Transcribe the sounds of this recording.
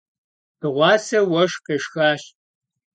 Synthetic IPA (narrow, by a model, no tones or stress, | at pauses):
tɨʁʷɑːsɐwɐʂqeːʂxaːɕ